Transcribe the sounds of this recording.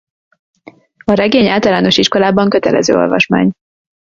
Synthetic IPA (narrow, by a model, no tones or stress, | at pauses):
ɒɾɛɡeːɲaːlt̪ɒlaːno̞ʃiʃko̞laːbɒŋkøt̪ɛlɛ̰zøːo̞̰lvɒ̰ʃma̰ːɲ